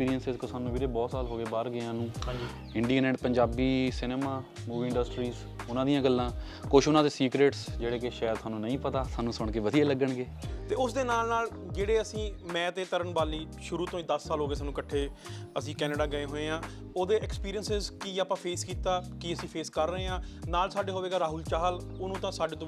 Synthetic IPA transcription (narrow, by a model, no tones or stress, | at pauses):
spiːɾijənsɪzkosaːnũːbiːɾeːbɔːt̪saːlɦoːɡeːbaɾɡɪãːnũːɦãːd͡ʒiː | ɪɳɖiːknɛːʈpəɲd͡ʒaːbiːsɪneːmaː | muːʋiːɪɳɖəsʈɾiːz | ʊnãːd̪ijãːɡəlːãː | kʊʃʰʊnãːd̪eːsiːkɾeːʈsd͡ʒeːɽeːkeʃɛːəd̪saːnũːnəĩːpət̪aːsaːnũːsʊɳkeːʋəd̪ijaːləɡːəɳɡeːt̪eːʊsd̪eːnaːlnaːl | d͡ʒeːɽeːəsĩːmɛ̃ːt̪eːt̪əɾəɳʋaːliː | ʃʊɾuːt̪õːiːd̪əsːaːlɦoːɡeːs̬aːnːũːkəʈʰːeːəsĩːkɛːneɖaːɡəeːɦoːeːãː | oːd̪eːʔɛkspiːɾijənsɪzkiːaːpãːpʰeːskiːt̪aːkiːəsĩːpʰeːskəɾːəeːãːnaːlsaːɖeːɦoːʋeːɡaːɾaːɦʊlt͡ʃaːɦlʊnũːt̪ãːsaːɖeːt̪õː